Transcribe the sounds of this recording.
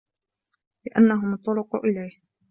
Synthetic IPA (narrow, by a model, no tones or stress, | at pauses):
lɪʔanːaɦʊmt̪ˤːʊɾʊqʊʔɪlajh